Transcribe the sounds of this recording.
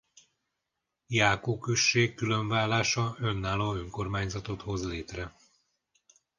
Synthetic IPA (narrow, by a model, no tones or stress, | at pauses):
jaːkoːkøʃːeːkːyløɱvaːlːaːʃɒø̞nːaːloːøŋko̞rmaːɲzɒt̪o̞t̪ho̞zleːt̪rɛ